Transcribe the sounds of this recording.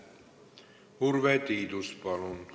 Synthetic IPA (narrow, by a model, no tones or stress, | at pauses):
hurʋɛt̪iːt̪uspɑlun